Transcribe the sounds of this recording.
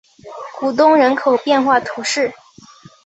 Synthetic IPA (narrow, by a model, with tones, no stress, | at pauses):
ku˨˩t̪̬ʊ˥ŋɻə˧˥nkʰo˨˩ʊpjɛ˥˧nxwa˥˩t̪ʰu˧˥ʂɻ̩˥˩